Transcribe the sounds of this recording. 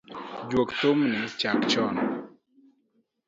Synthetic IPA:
d͡ʒwokt̪omnɪt͡ʃakt͡ʃɔn

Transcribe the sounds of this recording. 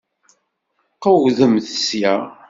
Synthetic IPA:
qːəwðəmθəsjæ

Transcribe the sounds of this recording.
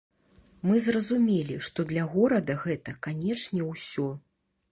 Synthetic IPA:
mɨzrɐzumʲɛlʲiʂt̪ɔd̪lʲɐɣɔɾɐd̪ɐɣɛt̪ɐkanʲɛt͡ʂnʲɛwsʲɔ

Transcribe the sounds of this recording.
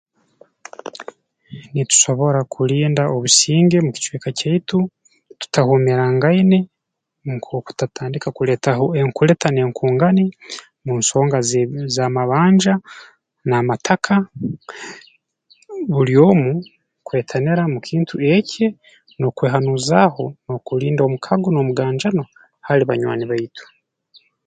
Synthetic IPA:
nitu̥so̞βo̞ɾakʰuɾiːndaʔoβusiːŋɡe̞muki̥t͡ʃweːkacaitu | tu̥tahumeɾaŋɡaine̞ | mukoku̥tatʰaːndikakuletahoeŋkuɾe̞tʰaneːŋkʰuːŋɡani | muːnso̞ːŋɡazamaβaːɲd͡ʒa | namatʰakʰa | βuɾjo̞ːmu | kwe̞ːtʰaneɾamukʰiːntʰuecʰe | no̞kweːɦanuːzaho̞no̞kuɾiːndo̞ːmukʰaɡono̞muɡaːɲd͡ʒano | haɾiβa̰ɲwa̰ːniβaitu̥

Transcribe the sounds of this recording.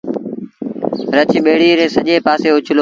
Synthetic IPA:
ɾət͡ʃʰiːɓeːɽiːɾẽːsəʄeːpaːseːʊt͡ʃʰloː

